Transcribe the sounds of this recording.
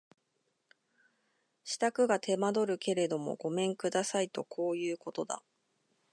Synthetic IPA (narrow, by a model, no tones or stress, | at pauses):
ɕi̥t̪akɯ̟ɡat̪ʰe̞mad̪o̞ɾɯ̟ke̞ɾe̞d̪o̞mo̞̰ɡo̞mẽ̞ŋkɯ̟d̪asait̪o̞kʰo̞ːjɯ̟ːko̞t̪o̞d̪a̰